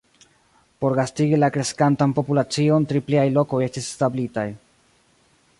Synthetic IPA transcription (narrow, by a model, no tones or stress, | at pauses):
po̞ɾɡastiɡilakɾe̞skantanpo̞pulat͡sio̞ntɾipliajlo̞ko̞je̞stisːtablitaj